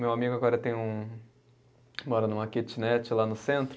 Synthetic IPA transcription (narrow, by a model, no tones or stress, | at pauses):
mewamiɡʊaɡɔɾɐt̪ẽj̃ũ | mɔɾɐnũmɐket͡ʃɪnɛt͡ʃɪlanʊsẽnt̪ɾ